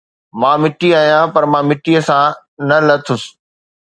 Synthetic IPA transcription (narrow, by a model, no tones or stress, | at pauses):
mãːmɪʈiaːɦijãpɐɾmãːmɪʈiəsã | nɐlɐt̪ʰʊs